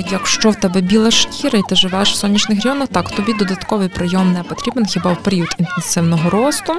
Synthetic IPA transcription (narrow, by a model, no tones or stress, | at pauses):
jɐkʃt͡ʃɔwt̪ɛbɛbʲilˠɐʃkʲiɾɐit̪ɪʒɪʋɛʃw̥sɔnʲːit͡ʃnɪxrʲɐjɔnɐxt̪ɑkwt̪ɔbʲid̪ɔd̪ɐt̪kɔʋɪjpɾɪjɔmnɛpɔt̪ʲɾʲibenxʲibɑwpeɾʲiut̪int̪ensɪwnɔɦɔɾɔst̪ʊ